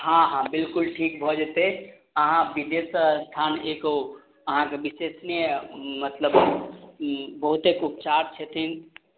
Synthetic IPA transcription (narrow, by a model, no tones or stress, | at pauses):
hãɦãbilkulʈʰik̚bʱɔd͡ʒet̪e | əɦãbid̪esəst̪ʰaneko | əɦãkebisesnimət̪ləb | bəɦut̪ekup̚t͡ʃaɾt͡ʃʰət̪ʰin